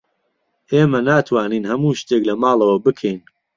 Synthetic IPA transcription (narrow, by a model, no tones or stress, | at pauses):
ʔeːmɐnaːt̪ʰwaːniːnhɐmuːʃt̪eklɐmaːlˠɐwɐbɨkʰɛjn